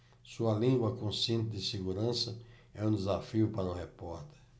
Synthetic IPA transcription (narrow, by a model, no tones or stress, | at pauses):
suɐlĩŋɡwɐkõsiẽnt̪ɪd̪ɪseɡuɾɐ̃sɐ | ɛũd̪ɪzafiʊpaɾɐʊ̃hepɔɾt̪eɾ